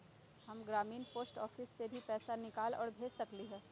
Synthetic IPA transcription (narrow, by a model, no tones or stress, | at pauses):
ɦɐmɡɾaːmiːnpoːsʈɔːfʰɪsːebʱipɛːsanɪkaːlɔ̰ːɾbʱeːsɐkliɦɛː